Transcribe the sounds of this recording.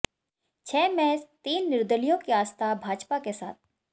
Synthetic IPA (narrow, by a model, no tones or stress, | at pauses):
t͡ʃʰɛːmɛːst̪iːnːɪɾd̪əlijõkiaːst̪ʰabʱaːd͡ʒpakesa̰ːt̪̚ʰ